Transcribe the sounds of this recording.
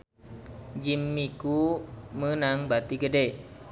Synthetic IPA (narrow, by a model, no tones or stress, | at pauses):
d͡ʒimːikumənaŋbat̪iɡəde